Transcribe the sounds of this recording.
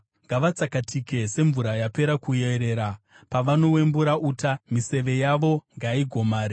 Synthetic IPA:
ŋɡaʋat͡sakatʰike̞se̞ɱvuɾajape̞ɾakujeɾe̞ːɾa | paʋano̞we̞mbuɾaʔuːtamise̞ʋe̞jaʋo̞ŋɡaiɡʱo̞maːɾe

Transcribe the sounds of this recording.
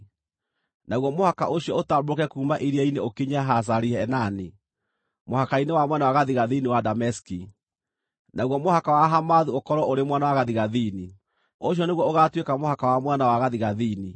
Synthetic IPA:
naɣwɔmohaka̰ʔoɕiɔotabokɛkuːmaʔiɾiaineokiɲaɦas̬aɾiɛːnani | mohakainewamwɛnawaɣaðiɣaðiniwadamɛski | naɣwɔmohakawaɦamaðuokɔɾwɔʔoɾemwanawaɣaðiɣaðini | oɕ̬jɔneɣwɔoɣatwekamohakawamwanawaɣaðiɣaðiːni

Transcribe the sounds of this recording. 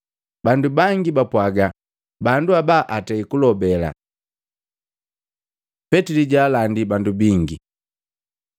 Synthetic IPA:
bandubaŋɡibapwaɡa | banduabaʔataikulɔbɛla̰ | pɛtiliɟaːlandibandubiŋɡi

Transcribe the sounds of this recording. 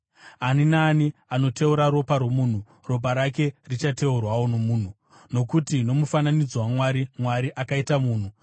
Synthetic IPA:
aninaːniano̞te̞uɾaɾo̞paɾwomuːn̤u | ro̞p̬aɾake̞rit͡ʃate̞urwawo̞no̞muːn̤u | no̞kutino̞mufananid͡zwamwaɾimwaɾiʔakaitamuːn̤u

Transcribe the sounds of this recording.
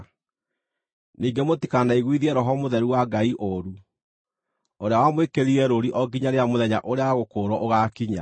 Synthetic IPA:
niːɡemotikanaiɣwiðiɛɾɔɦɔmoðɛɾuwaɡaiʔoɾu | oɾeawamwekeɾiɛɾoɾiʔɔɡiɲaɾeamoðɛɲaʔoɾeaɣokoːɾɔʔoɣaːkiɲa̰

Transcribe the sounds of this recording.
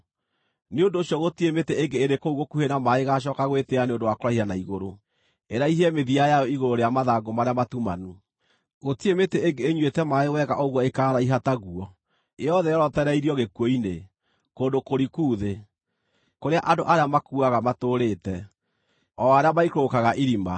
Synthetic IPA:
neondoːɕjɔɣotiemeteeŋɡeeɾekouɣokuhenamaeɣaʃ̬ɔːkaɣweteaneondowakoɾahianaiɣoɾo | eɾaiɦɛmeðiajajɔiɣoɾoɾejamaðaɡomaɾeamatuma̰nu | ɣotiemeteːŋɡeːɲwetɛmaewɛɣaʔoɣwɔekaːɾaiɦataɣuɔ | eɔðɛjɔɾɔtɛɾɛiɾiɔɣekwɔine | koːndokoɾikuːðe | koɾeaʔadoʔaɾeamakuaɣamatoɾetɛ | ɔaɾeamaikokaɣaʔiɾima

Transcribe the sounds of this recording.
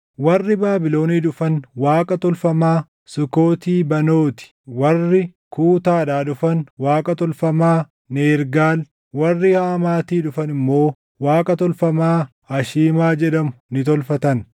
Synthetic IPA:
wɐrːɪbaːbɪlo̞ːniːᶑʊfɐnwaːkʼɐt̪ɔlfɐmaː | sʊkoːt̪iːbɐno̞ːt̪ɪ̥ | wɐrːɪkuːt̪aːᶑaːᶑʊfɐnwaːkʼɐt̪ɔlfɐmaː | neːɾɡaːl | wɐrːɪhaːmaːt̪iːᶑʊfɐnɪmːo̞ː | waːkʼɐt̪ɔlfɐmaː | ɐʃiːmaːd͡ʒɛᶑɐmʊnɪt̪ɔlfɐt̪ɐn

